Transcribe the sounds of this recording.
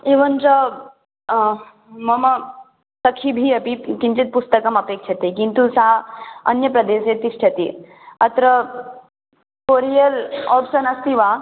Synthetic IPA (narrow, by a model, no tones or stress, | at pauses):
iʋənt͡sə | məmə | səkʰibʱiəpikint͡ɕit̪̚pust̪əkəməpekʂʰet̪ekint̪usaə̰njəpɾɐd̪eset̪isʈʰet̪i | ət̪ɾə | koɾijəlɔpʂənəst̪iʋa